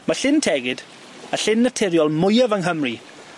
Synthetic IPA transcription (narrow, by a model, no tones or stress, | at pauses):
maɬɪntʰɛɡɪd | əɬɪnːətʰɛɾjɔlˠmʊjavəŋɦəmri